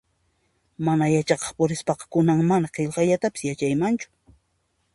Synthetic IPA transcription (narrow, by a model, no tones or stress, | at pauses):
manajat͡ʃɑqɑχpʊɾɪspɑqɑ̥kʊnaŋmanaqeʎqɑjʎat̪apɪ̥sjat͡ʃajmant͡ʃʊ̥